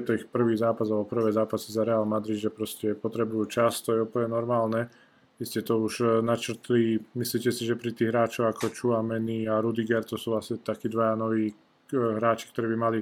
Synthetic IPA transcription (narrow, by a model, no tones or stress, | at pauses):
ɛt̪ɔixpr̩ʋiːzaːpazalbɔpr̩ʋɛːzaːpasizaɾɛaːlmad̪ɾid̪ʒɛpɾɔscɛpɔt̪ɾɛbujuːt͡ʃast̪ɔjɛupəl̩ɲɛnɔɾmaːlnɛ | ʋiscɛt̪ɔuʒnat͡ʃr̩t̪liːmisliːcɛsiʒɛpɾit̪iːɣɦɾaːt͡ʃɔʊakɔt͡ʃuamɛniaɾud̪iɡɛɾt̪ɔsuːasit̪akiːd̪ʋajanɔʋiː | ɦɾaːt͡ʃi̥kt̪ɔɾɛːbimali